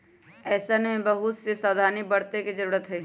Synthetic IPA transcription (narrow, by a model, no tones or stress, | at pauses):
ɛːsanmẽbɐɦʊt̪sesaːd̪ʱaːnibəɽ̤t̪ekid͡ʒəɾuːɾət̪ɦɛː